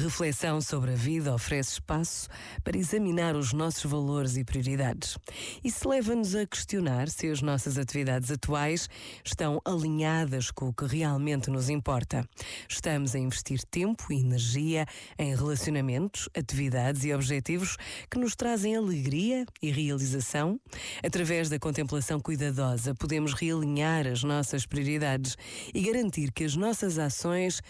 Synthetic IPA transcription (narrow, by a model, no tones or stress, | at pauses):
ʁɨflˠɛsɐ̃w̃soβɾɐviðɐɔfɾɛsʃpasu̥ | pɐɾɐizɐminaɾuʒnɔsu̥ʒvɐlˠoɾzipɾiuɾiðaðɨʃisɨlˠɛvɐnuzɐkɨ̥ʃt̪iunaɾsɨɐʒnɔsɐzɐt̪iviðaðzɐt̪wajʃːt̪ɐ̃w̃ʔɐlˠiɲaðɐʃkõukɨʁialˠmẽnt̪nuzĩmpɔɾt̪ɐʃt̪ɐmuzɐĩvɨʃt̪iɾt̪ẽmpuiːnɨɾʒiɐɐ̃j̃ʁɨlˠɐsjunɐmẽnt̪u̥ʃɐt̪iviðaðziɔβʒɛt̪ivuʃkɨnuʃt̪ɾazɐ̃j̃ɐlˠɨɣɾiɐiʁiɐlˠizɐsɐ̃w̃ɐt̪ɾɐvɛʒðɐkõnt̪ẽmplˠɐsɐ̃w̃kujðɐðɔzɐpuðemuʃʁiɐlˠiɲaɾɐʒnɔsɐʃpɾiuɾiðaðɨʃ | iɣɐɾɐ̃nt̪iɾkɨɐʒnɔsɐzasõj̃ʃ